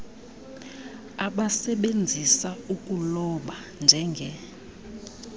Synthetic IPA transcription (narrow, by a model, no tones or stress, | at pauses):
aɓasɛɓend͡zʱisaukʼulɔɓa | nd͡ʒʱɛŋɡʱɛ